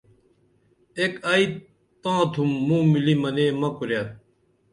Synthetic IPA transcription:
ekai | t̪ãːt̪ʰumːũːmilimɐneːmɐkuɾjat̪̚

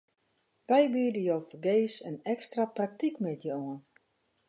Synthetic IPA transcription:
ʋɛjbyədəjoːfəɡeːsənɛkstraprak̚tikmɛtʰjəoən

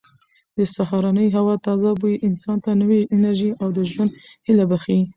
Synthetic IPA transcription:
d̪əsaɦɑɾɑnəjɦawɑt̪ɑzabujiʔɪnsɑnt̪ʰanəweʔɪnaɾʒiʔawd̪əʒwənd̪hilabaxi

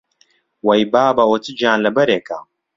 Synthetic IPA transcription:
wɐjbaːbawɐt͡sɨd͡ʒaːnlɐbɐɾeːka̰

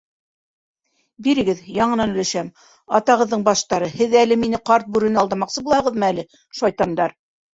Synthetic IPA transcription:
biɾɘ̆ɡɘðjɑɴɤ̆nɑnɵ̆læʃæm | ɑt̪ɑʁɤ̆ðːɤɴbɑʃt̪ɑɾɤhɘðælɘminɘqɑɾt̪̚bʉɾɘ̆nɘɑlˠd̪ɑmɑqsɤbulˠɑɤ̆ʁɤ̆ðmɤælɘ | ʃɑjt̪ɑmd̪ɑɾ

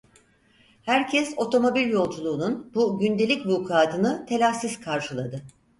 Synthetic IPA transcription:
hæɾcʰɛso̞t̪ʰo̞mo̞bilʲjo̞lˠd͡ʒulˠuːnunbuɟynd̪e̞lʲicvuːkʰaːt̪ʰɯnɯt̪ʰe̞lʲasizkʰaɾʃɯlˠad̪ɯ

